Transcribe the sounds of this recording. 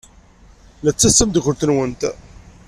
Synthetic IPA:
læt͡sːæsːəmd̪əkʷːʊɾt̪ənwənt̪

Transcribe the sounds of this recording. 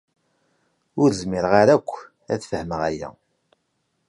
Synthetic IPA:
ʊɾzmiɾʁaɾækʷː | æ̰θfəhməʁæjæ̰

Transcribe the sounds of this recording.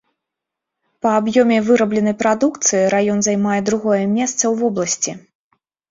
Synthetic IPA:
pɐːbjɔmʲɛvɨɾɐblʲɛn̪ɐjpɾad̪ukt̪sɨjiɾajɔnzajmajɛd̪ɾuɣɔjɛmʲɛst̪sɐwvɔblˠɐsʲt͡sʲi

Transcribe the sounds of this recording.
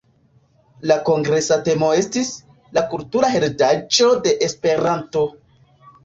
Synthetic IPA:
lako̞ŋɡɾe̞sate̞mo̞e̞stis | lakultuɾaɦe̞ɾdad͡ʒo̞de̞ʔespe̞ɾanto̞

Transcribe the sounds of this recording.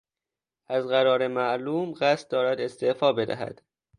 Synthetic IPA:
ʔæzɣæɾɒːɾe̞mæʔluːmɢæst̪̚d̪ɒːɾæd̪e̞st̪ʰe̞ʔfɒːbe̞d̪æ̰ɦæ̰d̪̥

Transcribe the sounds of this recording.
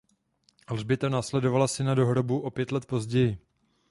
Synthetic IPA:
lʒbɪt̪anaːslɛdo̞valasɪnado̞ɦɾo̞buʔo̞pjɛt̪lɛt̪̚po̞zɟɛjɪ

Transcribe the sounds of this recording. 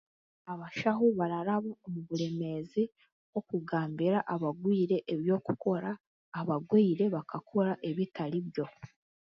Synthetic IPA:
aβaʃaɦuβaɾaɾaβaomuβuɾe̞me̞zi | wo̞kuɡaːmbiɾaʔaβaɡwiːɾe̞ʔːβjo̞ːkuko̞ɾaː | βaɡwiːɾe̞βakakʰoɾaʔe̞βitaɾiβjo̞

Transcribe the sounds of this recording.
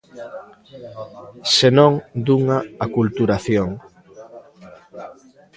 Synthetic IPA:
senõŋd̪uŋaakult̪uɾaθjoŋ

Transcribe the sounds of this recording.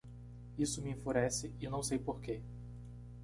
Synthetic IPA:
isʊmiĩfuɾɛsɪɪnɐ̃w̃sejpoɾke

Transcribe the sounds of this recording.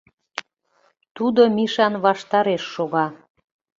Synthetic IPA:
t̪ud̪omiʃɑnβɑʃt̪ɑɾeʃːoɣɑ

